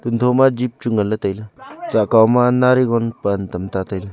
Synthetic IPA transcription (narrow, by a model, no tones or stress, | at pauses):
t̪unt̪ʰɔmad͡ʒip̚t͡ʃuŋələtajlət͡ʃakawmanaɾiɡɔnpantəmtatajla